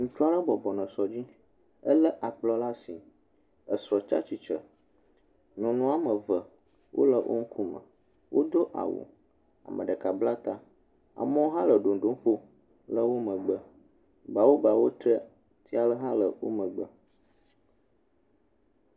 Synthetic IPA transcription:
ŋũ˨t͡ʃu˦a˦lə˦bɔ˨bɔ˨nə̃˨sɔ˨d͡ʑi˦ | ə˦lə˦ʔa˨k͡plɔ˦la˦si˨ | ə˨sɾɔ˨t͡ʃa̰˦t͡ɕi˨t͡ʃə̰˨ | nũ˨nũ˦a˦mə̃˨və˨ | wʔo̰˦lə˨wʔo̰˦ŋ̩˦kʰu˦mə̰̃˨ | wʔo˦d̪o˦ʔa̰˨wṵ˨ | a̰˨mʔə̰̃˨ɖə˨ka˨bla˦t̪a˦ | a̰˨mə˦wo˦ɦã˦lə˨ɖo˨n˨ɖo˨˦ŋ˦ɸo˦ | lə˦wo˦mə̃˨ɡ͡bə˦ | ba˨wo˦ba˨wo˦t̪ɾə˦ | t̪ʰi˦a˨lə˦ɦã˦lə˨wo̰˦mə̃˨ɡ͡bə˦

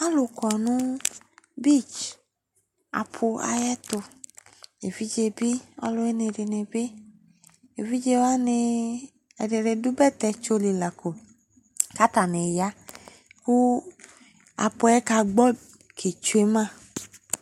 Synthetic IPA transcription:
a˦lu˨kɔ˨nũ˦ | bi˦˨t͡ʃ | a̰˨pʰʊ˧a̰˧jɛ˦tʊ˧ | e˨vi˦d͡ʒe˧bi˦ɔ̰˦lʊ˧e˦ne˧˨de˧ne˧bi˦ | e˨vi˦d͡ʒe˧wa˦nɪ˧ | ɛ˧de˧ɾe˧du˦bɛ˦˨tɛ˧t͡ʃo˧li˨la˨ko˨ | ka˦ta˨ne˨ja˦ | ku˦ | a̰˨pʊ˧˦ɛ˦ka˧ɡ͡bɔ˦ | kʰe˨t͡ʃu˨˧e˦mã˦˨

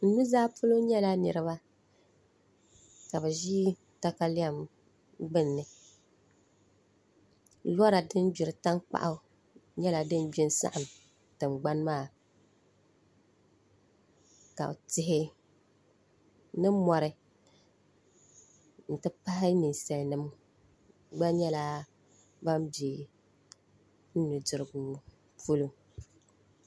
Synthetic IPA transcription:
n̩˦nu˦zaː˦pʊ˦lo˦ɲɛ˦la˦nɨ̰˨ɾɨ˨˦βa˦ | ka˨bɛ˨ʒiː˦ | ta˦ka˦lɪ˦a˦m | ɡ͡bɨ˦nːɨ˨ | la˦ɾa˨dɨ˦nd͡ʒi˨ɾɨ˨ta˦ŋk͡pa̰˦ʔa˨˦ | ɲɛ˦la˨dɨ˦nbi˦n˦sa̰˦ʔa˨m | tɨ˨mɡ͡ba˦n˦maː˦˨ | ka̰˨o˨tɪ˦ɦɪ˦ | nɨ˦mɔ˨ɾɨ˨ | n̩˨tɨ˦pa˦ɦɪ˦ni˨n˨sɛ˨lnɨ˦m | ɡ͡ba˦ɲɛ˦la˦ | ba˦mbi˨e˨ | n̩˦nɨ˨dɨ˨ɾɨ˨ɡu˦ | pu˦lu˦

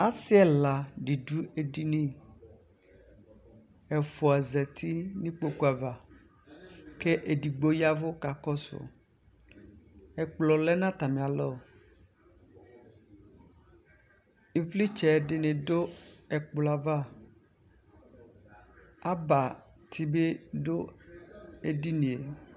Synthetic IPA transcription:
a˦sɪ˦ɛ˦la˨ɖi˨dɾu˦e˨di˨nĩ˦ | ɛ˨fo˨a˨zɛ˨t̪ʰi˦nĩ˦k͡po˦ku˦a˨va˨ | ke˦ʔe˨di˨ɡ͡bo˦ja˦vo˦ka˨kɔ˦sʊ̰˨ | ɛ˨k͡plɔ˨lɛ˦nã˦t̪a˨mẽ˨a˨lɔ˦˨ | i˨vli˦t͡ʃɛ˨ɖɪ˨nẽ˨do˦ɛ˨k͡plɔ˨a˨va˦˨ | a˦ba˨ | t̪ʰi˦be˦do˦ | e˨di˦nĩ˨e˨

